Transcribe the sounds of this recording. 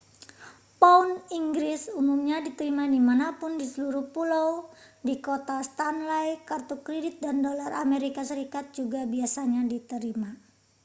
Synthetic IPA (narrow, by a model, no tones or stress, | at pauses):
pauniŋɡɾɪsumumɲadit̪əɾimadimanapʊndisəluɾuhpulowdikot̪ast̪anlajkart̪ukɾedɪt̪̚dandolara̰meɾikasəɾikat̪̚d͡ʒuɡabiasaɲadit̪əɾima